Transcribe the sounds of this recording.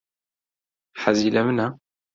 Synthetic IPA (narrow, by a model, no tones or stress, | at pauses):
ħazilæməna